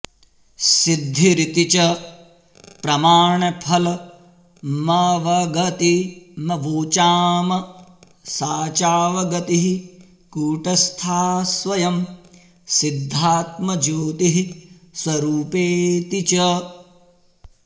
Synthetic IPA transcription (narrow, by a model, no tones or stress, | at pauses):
sid̪ʱːiɾit̪it͡ʃɐ | pɾɐmaːɳɐpʰɐlɐ | maʋɐɡɐt̪imɐʋoːt͡ʃaːmɐ | saːt͡ʃaːʋɐɡɐt̪iɦi | kuːʈɐst̪ʰaːsʋɐjɐm | sid̪ʱːaːt̪mɐd͡ʒuːt̪iɦi | swɐɾuːpeːt̪it͡ʃɐ